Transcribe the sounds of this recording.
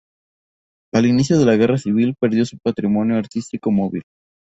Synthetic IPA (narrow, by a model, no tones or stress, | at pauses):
alinis̬jo̞ð̞e̞laɣe̞rasiβ̞ilpe̞ɾðjo̞supat̪ɾimo̞njoaɾt̪ist̪iko̞mo̞βḭl